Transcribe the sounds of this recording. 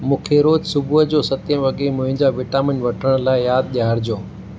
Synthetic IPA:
mũːkʰeɾoːd͡ʑsʊbʱuɦəd͡ʑoːsɐt̪ẽʋɐɠemʊ̃ɦɪ̃ɲd͡ʑaʋɪʈaːmɪnʋɐʈʰəɽ̃laːɪjaːd̪̚ɗijaːɾd͡ʑoː

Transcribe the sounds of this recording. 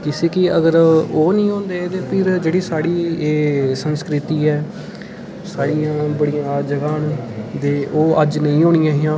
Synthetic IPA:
kɪseːkɪəɡəɾoːnĩːɦõːnd̪eːt̪eːpʰɪɾd͡ʒeːɽiːsaːɽiːeːsənskɾɪt̪iːɛː | saːɽijãːbəɽijãːd͡ʒəɡaːnd̪eːʔoːʔəd͡ʒnəĩːɦoːɽijãːɦɪjãː

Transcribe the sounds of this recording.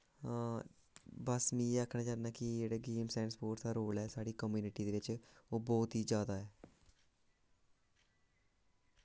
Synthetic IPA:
bəsmĩːeːaːkʰnãːt͡ʃaːnaːkɪd͡ʒeːɽeːɡeːmsɛ̃ːɳspoːʈd̪aːɾoːlɛːsaːɽiːkəmjuːnɪʈiːd̪eːʋɪt͡ʃoːbɔːt̪ɦiːd͡ʒjaːd̪aːɛː

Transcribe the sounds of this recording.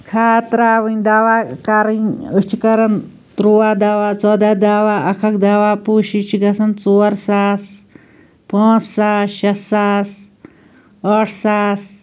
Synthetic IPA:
kʰaːt̪ɾaːʋɨnd̪aːʋaːkɐɾinut͡ʃʰikɐɾɐn | t̪ɾuːaːd̪aːwaːt͡sɔːd̪aːd̪aːwaːʔɐkʰɐk̚d̪aːwaːpuːʃit͡ʃʰiɡɐsɐnt͡soːɐɾsaːs | pãːt͡ssaːʃɐsːaːs | ɐʈʰsaːs

